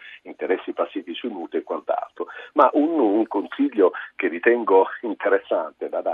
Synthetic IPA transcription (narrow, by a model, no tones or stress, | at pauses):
int̪eɾɛsːipasːiːvisuinuːt̪eekwant̪a̰lt̪ɾomaʔunuŋkonsiʎːokerːit̪ɛŋɡoint̪eɾesːant̪ed̪ad̪a